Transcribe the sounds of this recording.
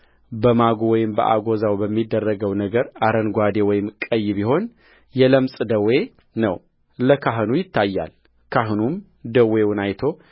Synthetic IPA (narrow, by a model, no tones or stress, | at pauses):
bəmaɡowɔjɪmbə̰ʔa̰ɡo̞zawbəmːid̪ːərːəɡəwnəɡəɾaɾənɡʷad̪ewɔjɪmkʼəjːbiɦo̞n | jɛləmsʼd̪əwe̞ | nə̰w | ləkʰaɦɨnujɪt̪ʰːajːa̰l | kʰaɦɨnum | d̪əwewʊnajt̪ʰo̞